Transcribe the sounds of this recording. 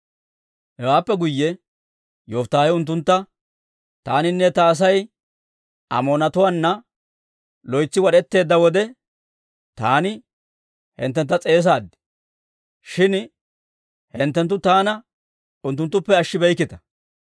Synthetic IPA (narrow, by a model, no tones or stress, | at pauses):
hɛwaːpːɛɡʊjːɛ | joːft̪ːaːhɛʊnt̪̬ːʊnt̪ːɐ | t̪aːnɪnːɛt̪ɐːs̬ɐj | ʔɐ̰moːnɐt̪ʊwanːɐ | lɔjt͡sːɪwɐɗɛt̪ːe̞ːd̪ːɐwɔd̪ɛ | t̪aːnɪ | hɛ̰nt̪ːɛnt̪ːɐt͡sʼe̞ːs̬aːd̪ːɪ̥ | ʃɪn | hɛnt̪ːɛnt̪ːʊt̪aːnɐ | ʊnt̪ːʊnt̪ːʊpːɛɐʃːɪbɛjkːɪt̪ɐ̥